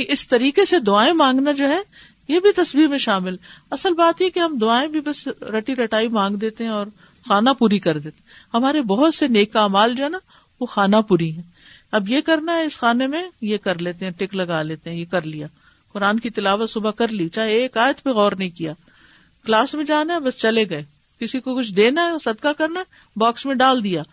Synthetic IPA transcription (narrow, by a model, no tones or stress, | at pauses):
iʔɪst̪ɐɾiːkesed̪ʊaːẽmãːŋɡnad͡ʒoːɦɛ | jebʱit̪ɐsbiːɦmẽʃaːmɪlɐsəlbaːt̪jekeɦɐmd̪ʊaːẽbʱibɐsɾɐʈiɾɐʈaːimãːŋɡd̪eːt̪eɦɛ̃ɔːɾ | xaːnapuːɾikɐɾd̪eːt̪e | ɦɐmaːɾebɔɦʊt̪seneːkaːmaːld͡ʒoːɦɛna | ʋoxaːnapuːɾiɦɛ̃ː | ɐbjekɐɾnaɦɛɪsxaːnemẽjekɐɾleːt̪eɦɛ̃ʈɪklɐɡaːleːt̪eɦɛ̃jekɐɾlijaː | kʊɾaːnkit̪ɪlaːʋət̪sʊbakɐɾlit͡ʃaːɦeːkaːjət̪peɣɔːɾnɐɦĩkijaː | klaːsmẽd͡ʒaːnaɦɛbɐst͡ʃɐleɡɐeː | kɪsikokʊt͡ʃʰd̪eːnaɛsɐd̪kakɐɾna | baːksmẽɖaːld̪ijaː